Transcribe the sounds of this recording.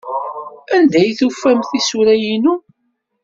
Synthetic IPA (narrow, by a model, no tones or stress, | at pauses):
ænd̪æjθufːæmθisuɾæjinu